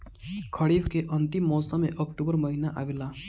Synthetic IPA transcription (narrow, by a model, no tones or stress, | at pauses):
kʰəɽiːbkeʔənt̪imːɔːsameʔəkʈubəɾməɦinaʔa̰ʋela